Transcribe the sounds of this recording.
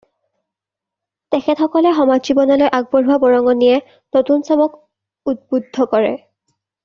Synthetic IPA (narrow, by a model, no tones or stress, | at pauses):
tɛxʰɛtxɔkɔlɛxɔmad͡ʑzibɔnɔlojʔaɡ̚bɔɹɦabɔɹɔŋɔnijɛ | notunsɔmɔk | ut̚budʱːɔkɔɹɛ̰